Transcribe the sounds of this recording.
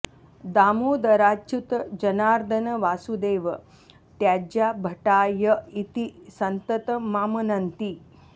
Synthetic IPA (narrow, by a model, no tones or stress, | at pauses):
d̪aːmuːd̪ɐɾaːt͡ʃut̪d͡ʒɐnaːɾd̪ʱənəʋaːsud̪eːʋ | t̪jaːd͡ʑaːbʱɐʈaːjəit̪isɐnt̪ət̪maːmɐnɐnt̪i